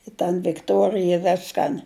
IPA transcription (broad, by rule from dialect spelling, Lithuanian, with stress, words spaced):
ɪ tɐn ʋʲɪkˈtuɔrʲɪjɛ ˈʋʲæːskɐn